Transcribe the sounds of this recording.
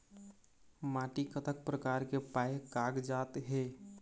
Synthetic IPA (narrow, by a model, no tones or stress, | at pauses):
maːʈikət̪ʰək̚pɾəkaːɾkepaːekaːɡd͡ʒaːt̪ɦeː